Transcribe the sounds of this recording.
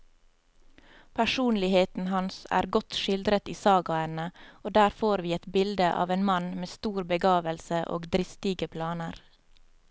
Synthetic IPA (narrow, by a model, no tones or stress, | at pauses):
pʰæʃuːnlɪheːt̪n̩hɑnsæ̰ːɾɡɔt̪ʃɪld̪ɾət̪iːsɑːɡɑɛnəʔoːd̪æːɾfoːɾʋiːɛt̪bɪld̪əʔɑ̰ːʋeːnmɑnmeːst̪uːɾbəɡɑːʋəlsəʔo̰ːɡd̪ɾɪst̪ɪɡəpʰlɑːnəɾ